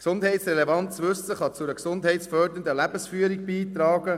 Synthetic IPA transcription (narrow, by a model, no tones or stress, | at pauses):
ksʊnd̪ɦɛɪtsɾɛlevɑnt̪t͡sʋɵsəχɑt͡sʊɾəksʊndɦɛɪtsfœɾd̪ənd̪əlæbəsfyːəɾiɡbiːt̪ɾɑːɡ̥ə